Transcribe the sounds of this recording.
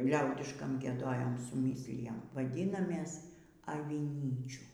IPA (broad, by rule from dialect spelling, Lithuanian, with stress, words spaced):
ˈlʲɛʊdʲɪʃkɐm ɡʲiɛˈdoːjɛm sʊˈmʲiːsʲlʲɪjɛm ʋɐˈdʲiːnɐmʲeːs ɐʋʲɪˈnʲiːt͡ʃʲuː